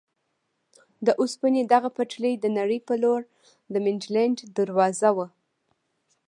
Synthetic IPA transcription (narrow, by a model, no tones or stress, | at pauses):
d̪əʔʊspəned̪aɣapaʈləjd̪ənaɽəjpəloɾ | d̪əmɪnd͡ʒlaɳɖd̪əɾwɑzawə